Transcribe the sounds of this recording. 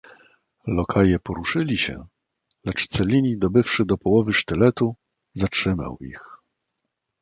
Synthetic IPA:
lɔkʰajɛpɔɾuʂɘlʲiɕɛ̰ | lɛt͡ʂt̪sɛlʲiɲid̪ɔbɘfʂɘd̪ɔpɔwɔvɘʂt̪ɘlɛt̪u | zatʂɘma̰wḭx

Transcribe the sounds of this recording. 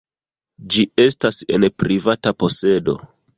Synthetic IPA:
d͡ʒie̞stase̞̰npɾivatapo̞se̞do̞̰

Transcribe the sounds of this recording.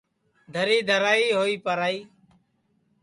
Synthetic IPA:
d̪ʱəɾiːd̪ʱəɾaːiːɦoːiːpəɾaːiː

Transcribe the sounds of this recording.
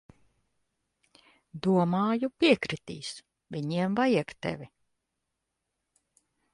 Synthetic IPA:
d̪uɔmaːjupʲiɛkɾit̪ḭːs | vʲiɲiɛmvajɛkt̪ɛ̰vʲi

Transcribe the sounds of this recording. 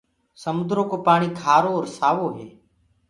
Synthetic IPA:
səmʊd̪ɾoːkoːpaːɳ̃iːk̪ʰaːɾoːɾsaːʋoːɦeː

